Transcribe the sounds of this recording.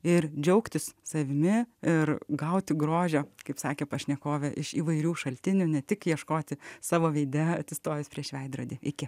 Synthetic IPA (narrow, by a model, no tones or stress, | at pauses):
ɪɾd͡ʒʲɛʊkt̪ʲɪssɐʋʲɪmʲɪɪrɡɐʊt̪ʲɪɡɾoːʒʲoːkɐɪpsɑːkʲeːpɐʃʲnʲɛkoːʋʲɛʔɪʃiːʋɐɪɾʲuːʃɐlʲt̪ʲɪnʲuːnʲɛt̪ʲɪkjiɛʃkoːt̪ʲɪsɑːʋoːʋʲɛɪd̪ʲɛɐt̪ʲɪst̪oːʋʲɪspʲɾʲiɛʃʲʋʲɛɪd̪ɾoːd̪ʲiːɪkʲɪ